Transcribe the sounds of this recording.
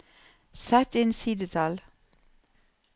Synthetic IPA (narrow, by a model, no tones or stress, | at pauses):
sæt̪ɪnsiːd̪ət̪ʰɑl